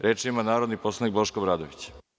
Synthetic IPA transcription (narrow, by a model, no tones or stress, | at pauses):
ɾeːt͡ʃiimanaːɾod̪nipo̞slˠanik̚bo̞ʃkobɾaːd̪o̰ʋit͡ɕ